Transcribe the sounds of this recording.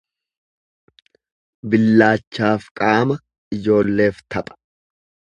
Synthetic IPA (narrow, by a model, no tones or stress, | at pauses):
bɪlːaːt͡ʃːaːfkʼaːmɐ | ɪd͡ʒo̞ːlːe̞ːft̪ʰɐpʼɐ̥